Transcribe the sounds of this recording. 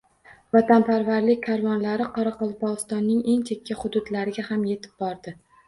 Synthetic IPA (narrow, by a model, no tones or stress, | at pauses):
vat̪ʰanpʰaɾvaɾlɪkʲkʰːaɾvɒnlaɾɪqʰɒɾaqɒlˠpɒʁɨst̪ɒnːɪŋe̞ŋt͡ʃʰe̞kʲʰːaχʊd̪ʊd̪laɾɪɡʲahamje̞t̪ʰɪ̥b̚bɒɾd̪ɪ